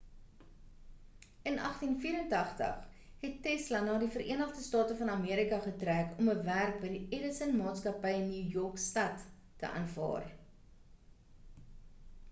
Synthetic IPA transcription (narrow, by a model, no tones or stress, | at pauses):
ʔənʔɐχtinfiːɾəntɐχtə̰χ | ɦɛtːɛslɐnɑːdifəɾʔiənəχdəstɑːtəfɐnɐmiəɾikɐχətrækɔməværk̚bəjdiʔɛɾəsənmɑːtskɐpəjənːiːjɔrkstɐtː | ə̰ʔɑ̰nfɑ̰ːr